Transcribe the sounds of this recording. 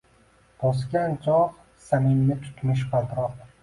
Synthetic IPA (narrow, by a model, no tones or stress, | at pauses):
b̥ɒs̬kʲant͡ʃʰɒq | samɪnːɪt̪ʰʊ̥t̪ʰmɪʃ̬qat̪ɾɒq